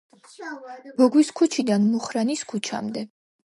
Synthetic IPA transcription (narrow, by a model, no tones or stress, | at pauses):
b̥ɔɡwiskʰut͡ʃʰid̪anmɔχɾaniskʰut͡ʃʰa̰md̪ɛ